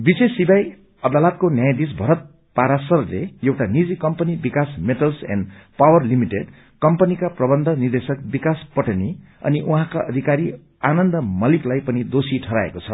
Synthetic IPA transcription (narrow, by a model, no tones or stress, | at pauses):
bisesːibaj | ʌd̪alʌt̪̚konjajd̪is̬bʱʌɾʌt̪̚ | paɾasʌrleewʈanid͡zikʌmpʌnibikasmeʈʌlsɛ̰̃nɖpawʌrlimiʈeɖ | kʌmpʌnikaprʌbʌnd̪ʱʌnird̪esʌk̚bikaspʌʈʌni | ʌ̰niʔuɦãkaʔʌd̪ʱikaɾi | anʌnd̪ʌmʌliklajpʌnid̪osiʈʰʌɾa̰ḛkot͡sʰʌ